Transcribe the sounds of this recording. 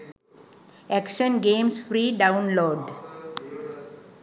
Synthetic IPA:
ɛkʃə̃nɡẽːmsfɾiːɖãʊ̃nloːɖ

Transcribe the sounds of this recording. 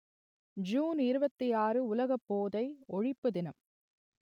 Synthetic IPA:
d͡ʒuːnɪɾɯbɐt̪ːijaːrɯʊlɐɣɐpːoːðɐɪɔɻɪpːɯðɪnɐm

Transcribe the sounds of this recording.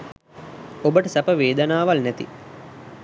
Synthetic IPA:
obəʈəsapəʋeːd̪ənaːʋalnæt̪ḭ

